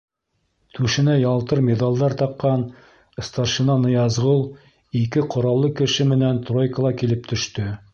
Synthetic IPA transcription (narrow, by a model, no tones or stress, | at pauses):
t̪ʰʉʃɘ̆næjɑlˠt̪ɤɾmʲed̪alˠd̪ɑɾt̪ɑqːɑn | ɤ̆st̪ɑʃinɑnɤjɑzʁɤlˠ | ikɘqʰŏɾɑlˠːɤkɘ̆ʃɘmɘ̆nænt̪rojkəlˠɑkilɘp̚t̪ɵ̆ʃt̪ɵ